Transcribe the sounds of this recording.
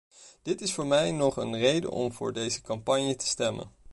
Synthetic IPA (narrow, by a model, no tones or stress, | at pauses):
d̥ɪtɪsfʊːɹmɛjnɔχə̰nrejdə̰ɔ̰mv̥ʊ̰ːɹdejzəkɑmpɑnjətə̥stɛmə̰n